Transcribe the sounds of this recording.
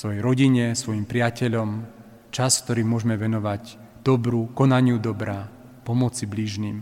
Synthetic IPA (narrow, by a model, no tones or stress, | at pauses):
sʋɔjɛjɾɔɟiɲɛsʋɔjimpɾɪacɛʎɔm | t͡ʃask̚t̪ɔɾiːmʊɔʒɛmɛʋɛnɔʋaɟ | d̪̥ɔbɾukɔnaɲɪud̪ɔbɾa | pɔmɔt͡sibliʒniːm